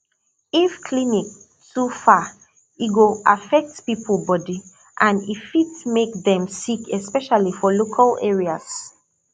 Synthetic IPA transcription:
ifkʰlinik̚ | tufa | iɡoafɛk̚tpipʰəlˠbɔdi | ʔãnifitmekðɛ̃msikʰɛspɛʃalifɔlokʰalɛɹias

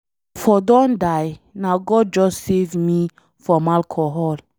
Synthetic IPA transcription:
fɔdɔ̃ndajnaɡɔd̚d͡ʒɔssevmi | fɔmalkʰɔɦɔl

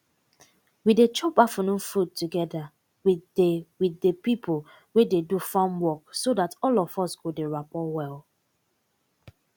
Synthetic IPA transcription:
widet͡ʃɔpafənũnfud̚tuɡɛda | wiewidepipʰol | wededufãmwɔksodatɔlɔfɔsɡodeɹapɔwɛl

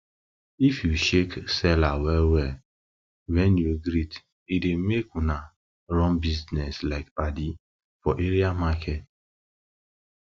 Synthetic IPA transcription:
ifjuʃeksɛlawɛlwɛ | wɛnjuɡɾit | idemekuna | ɾɔ̃mbiznɛslaɪk̚badi | fɔʔeɾiamakʰɛt

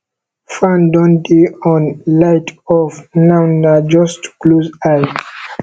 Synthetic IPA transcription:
fãndɔ̃ndiɔ̃nlaɪtʰɔvnãwnad͡ʒɔstkluzaj

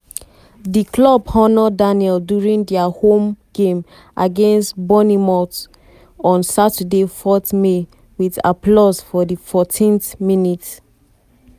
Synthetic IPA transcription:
diklɔbɔnɔdanɛldjuɹĩndiahõmɡ̥ẽm | ʔaɡẽnstbɔnimɔt | ɔ̃nsatədefɔtme | wida̰plɔsfɔdifɔtʰĩnθminit

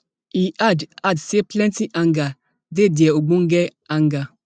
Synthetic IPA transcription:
iʔadadseplɛ̃ntiʔaŋɡa | dediɛoɡ͡boŋ̩ɡɛ | aŋɡa

